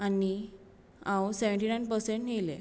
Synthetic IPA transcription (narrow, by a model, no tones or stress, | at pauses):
ani | ãwseʋəɳʈinajnpəɾseɳʈɦelḛ